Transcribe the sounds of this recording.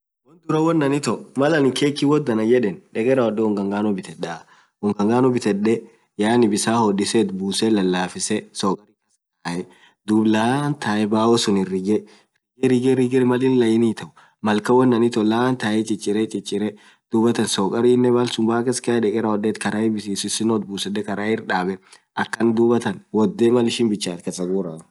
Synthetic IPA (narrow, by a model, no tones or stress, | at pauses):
wɔnd̪ʊɾɐwɔnːɐnɪt̪ɔmɐlɐnɪkʰeːkːiwɔd̪ɐnɐjɛᶑɛnᶑɛkʼɛɾɐwɔd̪ɛʊŋɡɐŋɡaːnɔbɪt̪ɛᶑa | ʊŋɡɐŋɡaːnɔbɪt̪ɛᶑɛ | jaːnɪbɪsaːhɔdɪsɛt̪buːsɛlɐlːaːfɪsɛsɔːkʼɐɾikɐstaːʔɛ | d̪ublant̪aːʔɛbaːwɔsʊnɪrɪɡɛ | rɪɡɛɾɪɡɛɾɪɡɪɾɛmɐlɪnlɐjɪniːt̪ɐʔʊ̥ | mɐlkɐwɔnːɐnɪt̪ɔlaːnt̪aːʔɛt͡ʃʼɪt͡ʃʼːɪɾɛt͡ʃʼɪt͡ʃʼːɪɾɛ | d̪̥uːbɐt̪ɐnsɔːkʼɐɾiːɪnːɛbalsʊmbaːkeskɐɛᶑɛkʼɛɾɐwɔd̪eːt̪kɐɾaɛbɪsiːsɪsɪnɔt̪̚buːsɛɗɛkɐɾaːɪɾᶑaːbɛ | ʔɐkːɐnd̪ubɐt̪ɐnwɔd̪ːemɐlɪʃɪnbɪt͡ʃːaːt̪kɐsɐɡuːɾa